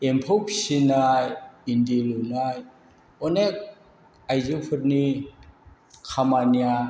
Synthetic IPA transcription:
empʰɔwpʰsinajindilunaj | ɔnek̚ | ajzɯpʰɯɾ̚ni | kʰamania

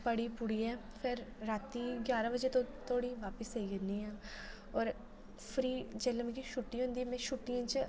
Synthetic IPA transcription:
pɐɽipʊɽiɦɛːfʰɪɾːaːt̪iɡʲjaːɾãbɐd͡ʒet̪ot̪ʰoːɽiʋaːpəseiɡɐnĩɦɛ̃ː | ɔːɾ | fʰɾiːd͡ʒɛləmkiʃuʈːiɦõːnd̪iɛmɛ̃ʃuʈːijãt͡ʃ

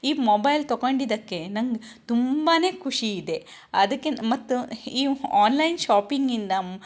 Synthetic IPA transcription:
iːmoːbɐjlt̪oɡoɳɖid̪ɐkːe̞nɐŋɡt̪umbaːne̞ːkʰuʂiːd̪e̞ | ɐd̪ɐkːemɐt̪ːuiːaːnlɐjnʃaːpiŋɡind̪ɐ

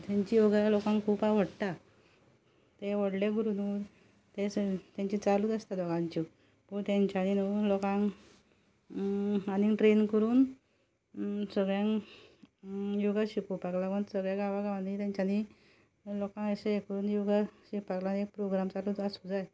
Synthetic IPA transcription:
t̪jãɲt͡ɕijoɡalokãŋkʰuːpaʋ̤əɽt̪a | t̪eʋɔɽleɡuɾunu | t̪et̪ãɲt͡ɕit͡saluːd̪əst̪ad̪ɔɡãɲt͡ɕi | puɳt̪jãɲt͡ɕaninolɔkãŋ | aniʈɾenkəɾuːn | səɡɭjãŋ | joɡaɕikupaklakənsəɡɭjãɡaʋaɡaʋanit̪jãɲt͡ɕani | lokãŋəɕeekəɾuːnjoɡaɕikpaklanek̚pɾoɡɾamt͡saluasud͡zaj

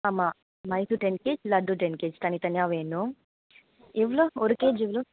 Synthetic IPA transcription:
ama | mɐjsuʈenkeːd͡ʒlɐɖuʈenkeːd͡ʒt̪ɐnit̪ɐnijaːʋeːnu | eʋulooɾukeːd͡ʒiʋulo

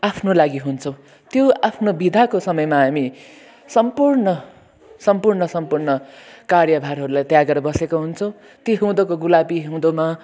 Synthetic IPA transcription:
apʰnolaɡiɦunt͡sʰʌ̃w̃ | t̪joapʰnobid̪ʱakosʌmʌjmaɦami | sʌmpurnʌ | sʌmpurnʌsʌmpurnʌkarjʌbʱaɾɦʌɾulajt̪jaɡʌɾbʌsekoɦunt͡sʰʌ̃w̃ | t̪eɦũd̪ʌkoɡulabiɦũd̪oma

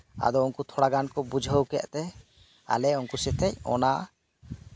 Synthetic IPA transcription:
a̰d̪ɔɔnkut̪ʰɔɽaɡankɔbud͡ʒʱəwkɛʔt̪ɛ | a̰lɛɔŋkusɛt̪ʰɛcɔ̰na

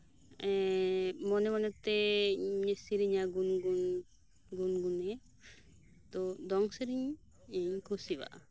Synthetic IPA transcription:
ɛmɔnɛmɔnɛt̪ɛɲɛsiɾiɲaɡunɡun | ɡunɡunɛ | t̪ɔd̪ɔŋsiɾiɲ | iɲkʰusiba̰ʔa̰

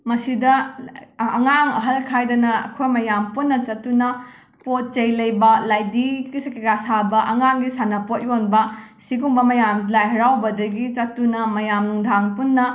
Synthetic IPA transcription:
mɐsidɐ | ɐ̰ŋaŋɐɦɐlkʰajdɐnɐɐ̰kʰojmɐjampunːɐt͡ʃɐtːunɐ | pot̚t͡ʃɐjlɐjbɐlajdiɡisɐkekasabɐʔɐŋaŋɡisanɐpot̚jonbɐ | siɡuŋbɐmɐjamlajɦɐɾawbɐdɐɡit͡ʃɐtːunɐmɐjamnuŋdʱaŋpunːɐ

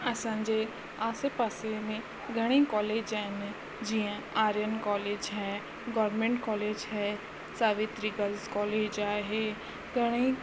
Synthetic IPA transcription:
ɐsãnd͡ʒeː | aːsepasemẽ | ɡɐɽ̃ẽkɔːleːd͡ʒɛn | d͡ʒiãaːɾjənkɔːleːd͡ʒɦɛː | ɡɔːɾmẽɳʈkɔːleːd͡ʒɦɛː | saːʋɪt̪ɾiɡəlzkɔːleːd͡ʒaːɦeː | ɡəɽ̃ei

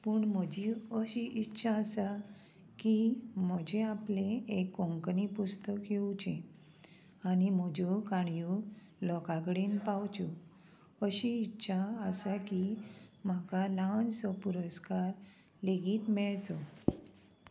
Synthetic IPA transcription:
puɳm̤əd͡ʑiəɕiʔitːɕʰaəsa | kim̤əd͡ʑeaplẽekːɔ̃ŋknipust̪əkjewt͡ɕẽ | anim̤əd͡ʑukaɳju | lɔkakɽiːnpawt͡ɕu | əɕiːtːɕʰaəsakim̤akalansɔpuɾəskaɾ | leɡiːt̪mɛɭt͡sɔ

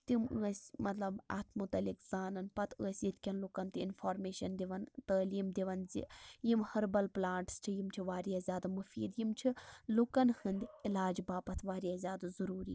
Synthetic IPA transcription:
t̪imə̰ːsʲmɐt̪lɐbɐ̰t̪ʰmut̪ɐlikzaːnɐnpɐt̪ʰəːsʲjit̪ʲkʲɐnlukɐnt̪iinfoːɾmeːʃɐnd̪iʋɐnt̪əːliːmd̪iʋɐnzḭjimhɐɾbɐlplaːɳʈst͡ʃʰijimt͡ʃʰiʋaːɾijazʲjaːd̪ɨmɐfḭːd̪jimt͡ʃʰilukɐnhɨnd̪ʲilaːd͡ʒbaːpɐt̪ʰʋaːɾijazʲjaːd̪zɐɾuːɾḭː

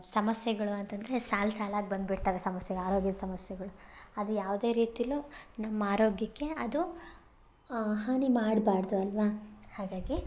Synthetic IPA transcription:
sɐmɐsjɐɡɐɭuɐnt̪ɐnd̪ɐɾe̞saːlsaːlaːɡ̚bɐnd̪biɽt̪aːʋesɐmɐsjɐɡɐɭaːɾo̞ːɡjɐd̪ɐsɐmɐsjɐɡɐɭuɐd̪ujaːʋd̪e̞ːɾiːt̪ijɐlunɐmːɐaːɾoːɡjɐkːe̞ɐd̪u | ɦaːɳimaːɽbaːɾd̪uɐlʋahaːɡaːɡi

